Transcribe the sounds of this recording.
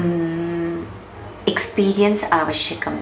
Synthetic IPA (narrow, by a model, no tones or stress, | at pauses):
ekspiːɾijɐnsaːʋɐɕjɐɣɐm